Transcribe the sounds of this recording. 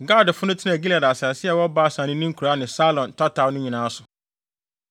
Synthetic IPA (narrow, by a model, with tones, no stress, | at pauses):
ɡa˦˨dfʊ˦nʊ̃˦tʰɪ˦nã˨ɡi˦la˨da˨sa˨ɛ˨sɪ˦ɛ˨wɔ˦baː˦sã˨nɪ̃˦nĩ˦ŋ̩˦kʰu˨ɾa˦nɪ̃˨sa˦lɔ̃˨ntʰɔ˦tʰa˨˦nʊ̃˦ɲĩ˨nãː˦a˦sʊ˨